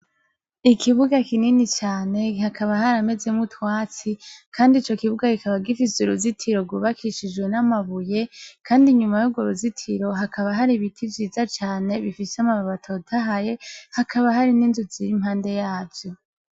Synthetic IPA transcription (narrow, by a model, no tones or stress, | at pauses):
ikʰiβuɡakininit͡ʃaːne̞hakʰaβahaɾame̞ze̞mutwaːt͡sikʰaːndit͡ʃo̞kiβuɡakikaβaɡifisuɾuzitʰiɾo̞ɡuβakʰiʃid͡ʒɡwe̞namaβuje̞kʰaːndiɲumajuɡoɾuzitʰiɾo̞ɦakʰaβaɦaɾiβitʰivjiːzat͡ʃaːne̞βifiseamaβaβatʰo̞tʰaɦaje̞hakʰaβaɦaɾininzuziɾimhaːnde̞jaːvjo̞